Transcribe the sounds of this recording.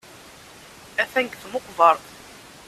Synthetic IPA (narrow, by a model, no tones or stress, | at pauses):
æfæŋɡθmʊqːvəɾˤ